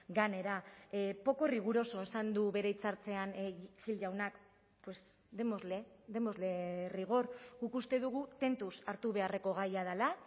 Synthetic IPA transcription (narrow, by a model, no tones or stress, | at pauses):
ɡane̞ɾapo̞ko̞riɣ̞uɾo̞so̞e̞sand̪uβe̞ɾe̞it͡saɾt͡se̞anʝild͡ʒawnak | pwe̞s | d̪e̞mozleðe̞mo̞zle̞riɣ̞o̞rɡukust̪e̞ðuɣ̞ut̪e̞nt̪usaɾt̪uβ̞e̞are̞ko̞ɣ̞ajað̞ala